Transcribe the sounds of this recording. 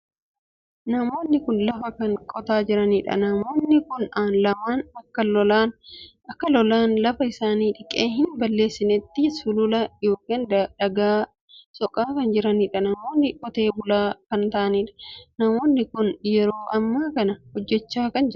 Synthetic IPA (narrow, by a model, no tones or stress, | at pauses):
nɐmo̞ːnːɪkʊnlɐfɐkɐŋkʼɔt̪aːd͡ʒɪɾɐniːᶑɐ̰nɐmo̞ːnːɪkʊnaːnlɐmaːnɐkːɐlɔlaːn | ɐkːɐlɔlaːnlɐfɐɪsaːniːᶑɪkʼeːɦɪnbɐlːe̞ːsːɪnɛt̪ːɪsʊlʊlɐjo̞ːkːeːnd̪ɐᶑɐɡaː | sɔkʼaːkɐnd͡ʒɪɾɐniːᶑɐnɐmo̞ːnːɪkʼɔt̪e̞ːbʊlaːkɐnt̪ɐʔɐniːᶑɐ̥nɐmo̞ːnːɪkʊnjɛɾoːʔɐmːaːkɐnɐhɔd͡ʒːɛt͡ʃːaːkɐnd͡ʒɪɾ